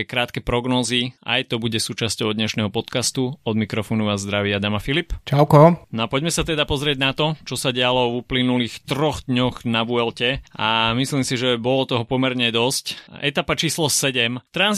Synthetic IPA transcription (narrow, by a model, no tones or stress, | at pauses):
kɾaːt̪kɛpɾɔɡnɔːzia̰jt̪ɔbuɟɛsuːt͡ʃascɔʊd̪ɲɛʃnɛɦɔpɔt̪kast̪uɔd̪mikɾɔfɔːnuʋazd̪ɾaʋɪad̪amafilipt͡ʃaʊkɔnɔapɔɟmɛsat̪ɛd̪apɔzɾɪɛɟnat̪ɔt͡ʃɔsaɟɛalɔvuplinuliːxt̪ɾɔɣd̪ɲɔɣnaʋuɛlcɛʔamisliːmsiʒɛbɔlɔt̪ɔɦɔpɔmɛɾɲɛd̪ɔscɛt̪apat͡ʃiːslɔsɛɟɛmt̪ɾanz